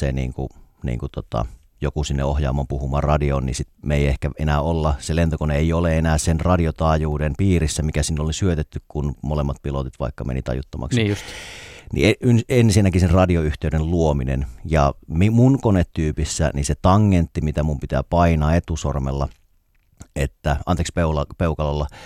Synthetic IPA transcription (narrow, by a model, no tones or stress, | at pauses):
ḛnḭːŋku | nḭːŋkut̪ot̪ɑ̰ | jokusinːeohjɑ̰ːmːɑmpuhumɑrɑdionnḭsit̪meiehkæʔḛnæolːɑselent̪okoneeioleenæːsenrɑdiot̪ɑːjuːdenpiːrisːæmikæsinːolisyøt̪et̪ːykkunmolemːɑt̪̚pilot̪it̪ʋɑ̰ikːɑmḛnḭt̪ɑ̰jṵt̪ːɑmɑ̰kssnʔḭeynenːsinækisenrɑdioyht̪eydenluominḛnjɑ̰mimunkonet̪tyːpisːæ̰niset̪ɑŋːent̪ːimit̪æmumpit̪æ̰ːpɑinɑːet̪usormḛlːɑ | et̪ːæʔɑnt̪ekspeulɑpeukɑlɑlːɑ